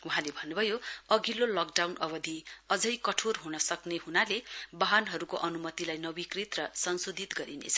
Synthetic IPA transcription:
uɦãlebʱʌnːubʱʌjoʌɡilolɔkɖawnʌbʌd̪ʱiʌd͡zʌjkʌʈʰorɦunʌsʌkneɦunalebaɦʌnɦʌɾukoʔʌnumʌt̪ilajnʌbikrit̪rʌsʌnsod̪ʱit̪ɡʌɾinḛt͡sʰʌ̥

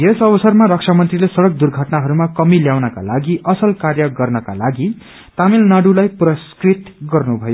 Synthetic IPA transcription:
esʌbʌsʌrmaɾʌk̚t͡ʃʰamʌnt̪rilesʌɽʌk̚d̪urɡʱʌʈnaɦʌɾumakʌmiljawnʌka̰laɡiʔʌsʌlkarjʌɡʌrnʌka̰laɡi | t̪amilnaɽulajprʌskrit̪ɡʌrnubʱʌjo

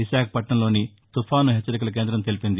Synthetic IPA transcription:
iʃaːkʰɐ̥pɐʈɳɐmlo̞ːni | t̪ufʰaːnuɦɛt͡ʃːɐɾik̬ulɐk̬e̞ːnd̪ɾɐmt̪e̞lipind̪i

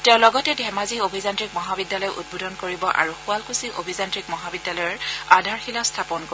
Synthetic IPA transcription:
tɛʊ̃lɔɡɔtɛdʱɛmaziobʱizantɹik̚mɔɦabidːalɔjʔṵd̚bodʱɔnkoɹibɔʔa̰ɹuxualkusiʔobʱizantɹik̚mɔɦabidːalɔjɔɹadʱaɹxilastʰapɔnko

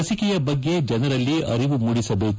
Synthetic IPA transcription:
ɐsikɛjɐbɐɡːe̞d͡ʒɛnɐɾɐlːiʔɐɾiʋumuɽisɐbeːk

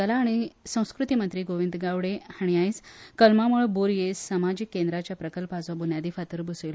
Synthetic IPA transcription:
əlaːɽ̃isə̃w̃skɾut̪imənt̪ɾiːɡoʋind̪ɡaʋɽehaɽ̃iajskəlmamuɭboɾjessəmad͡ʑikːend̪ɾat͡ɕjapɾəkəlpad͡zʋabʱunjad̪ifat̪əɾbusel

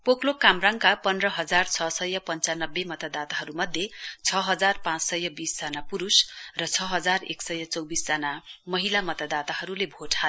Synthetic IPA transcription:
poklokamraŋkapʌndrʌɦʌd͡zart͡sʰʌsʌjʌpʌnt͡sanʌbːemʌt̪ad̪at̪aɦʌɾumʌd̪ʱjet͡sʰʌɦʌd͡zarpãt͡ssʌjʌbisd͡zanapuɾusrʌt͡sʰʌɦʌd͡zarḛksʌjʌt͡sʌwbisd͡zanamʌɦilamʌt̪ad̪at̪aɦʌɾulebʱoʈʰa

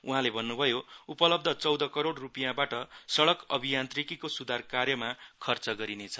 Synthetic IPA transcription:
uɦãlebʱʌnːubʱʌjoupʌlʌb̚d̪ʱʌt͡sʌwd̪ʌkʌɾoɽrupijãbaʈʌsʌɽʌkʌbʱijant̪rikikosud̪ʱarkarjʌmakʰʌrt͡sʌɡʌɾinet͡sʰʌ̥

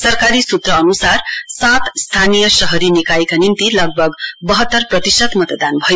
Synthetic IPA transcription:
sʌrkaɾisut̪rʌːnusarsat̪st̪ʰanijʌsʌɦʌɾinikajkanimt̪ilʌɡ̚bʱʌɡbʌɦʌt̪ːʌrprʌt̪isʌt̪mʌt̪d̪anbʱʌjo

